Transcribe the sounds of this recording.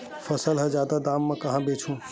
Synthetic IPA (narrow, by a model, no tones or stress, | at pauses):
fʰəsəlɦə̃d͡ʒjaːd̪ad̪aːmːẽkɐɦãbeːt͡ʃʰũ